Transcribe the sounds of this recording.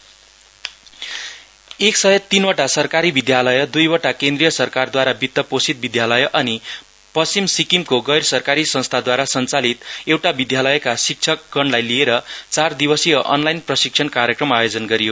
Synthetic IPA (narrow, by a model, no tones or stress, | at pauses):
eksʌjʌt̪inʌʈasʌrkaɾibid̪jalʌjʌd̪ujwʌʈakẽnd̪rijʌsʌrkard̪waɾabit̪ːʌposit̪̚bid̪jalʌjʔʌni | pʌst͡simsikimkoɡʌjrsʌrkaɾisʌ̃st̪ʰad̪waɾasʌnt͡salit̪ewʈabid̪jalʌjkasik̚t͡sʰʌkɡʌɳlajlieɾʌt͡sard̪ibʌsijʌʔʌ̰nlajnprʌsik̚sʰʌnkaɾjekrʌmajod͡zʌnɡʌɾijo